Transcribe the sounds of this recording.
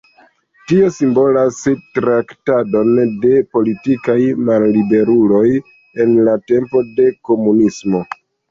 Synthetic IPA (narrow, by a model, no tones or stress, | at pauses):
tio̞simbo̞lastɾaktado̞nde̞po̞litikajmalːibe̞ɾulo̞j | e̞nlate̞mpo̞de̞ko̞munismo̞